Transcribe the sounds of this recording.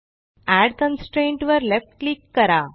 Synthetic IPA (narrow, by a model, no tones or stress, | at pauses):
æɖt̪ə̃nsʈɾẽɳʈʋəɾlefʈ̚klikːəɾa